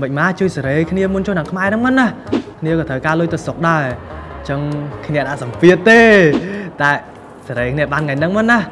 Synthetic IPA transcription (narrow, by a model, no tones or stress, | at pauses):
ɓəc̚maːt͡ɕuəjsaɾeːkʰniəmunt͡ɕoːnɗaŋkʰmaɛnɨŋmənːahkʰniəkɑːt̪ʰəwkaːlʊjt̪ɨwsok̚ɗaɛt͡ɕəŋkʰnĭəɗaʔsɑmpiət̪ːeːt̪aɛ | saɾəːkʰniəɓaːnŋajnɨŋmɔ̆ənːah